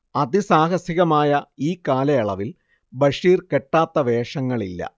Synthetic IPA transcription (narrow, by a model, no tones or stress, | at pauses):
ɐd̪isaːɦɐsiɣɐmaːjɐiːkaːlɐjɐɭɐʋil | bɐʂiːrke̞ʈːaːt̪ːɐʋe̞ːʂɐŋːɐɭilːɐ̰